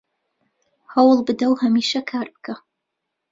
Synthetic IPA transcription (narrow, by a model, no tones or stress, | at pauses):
hɐwlbɨdɐwhɐmiːʃɐkʰaːrp̚kʰɐ